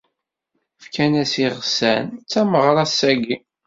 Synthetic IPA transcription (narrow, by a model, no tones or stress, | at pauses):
fkænæsiʁsænt͡sːæməʁɾˤɑsæɡi